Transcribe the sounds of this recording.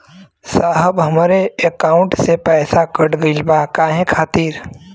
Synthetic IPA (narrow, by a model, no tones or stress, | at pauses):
saːɦəbɦɐmaːɾeekaːʊ̃ɳʈsepɛːsakəɽɡəlbaːkaːɦɛ̃kʰaːt̪iːɾ